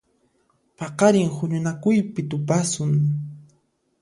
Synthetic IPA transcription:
pɑqɑɾɪŋhʊɲʊnakʊjpɪt̪ʊpasʊŋ

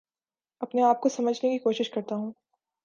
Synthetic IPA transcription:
ɐpneaːp̚kosɐməd͡ʒʱnekikoːʃɪʃkɐɾt̪aɦũː

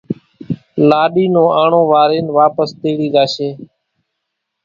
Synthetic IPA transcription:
laːɗiːnõːaːɳõːʋaːɾeːnʋaːpəst̪eːɽiːɗ̪aːʃeː

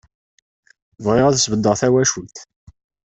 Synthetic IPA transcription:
vʁɪʁæðəsvəd̪ːəʁθæwæʃult̪

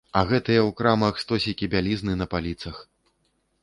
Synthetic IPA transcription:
ɐɣɛt̪ɨjɛwkɾamɐxst̪ɔsʲikʲibʲalʲiznɨnɐpalʲit̪sɐx

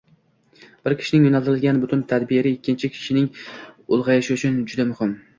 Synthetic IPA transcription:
b̥ɪɾkʲʰɪ̥ʃɪnɪŋjonalˠt̪ɪɾɪlɡʲanbʊt̪ʰʊnt̪ʰad̪bɪɾɪɪkʲːɪnt͡ʃʰɪkʲʰɪ̥ʃɪnɪŋʊlˠʁɑjɪʃɪʊt͡ʃʰʊnd͡ʒʊd̪amʊhɪm

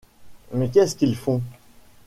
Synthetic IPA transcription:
mət̪̬jɛ̃sə̥kilfɔ̃

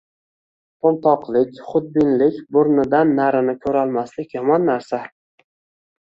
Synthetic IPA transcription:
pʰomˠt̪ʰɒqlˠɪkʲχʊd̪̚bɪnlɪkʲbʊɾnɪd̪anːaɾɪnɪkʲʰɵɾalˠmaslɪkʲjɒmɒnːaɾsa

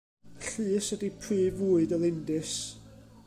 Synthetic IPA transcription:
ɬɨːsədipʰrɨːvuːɨdɔlˠɪndɨs

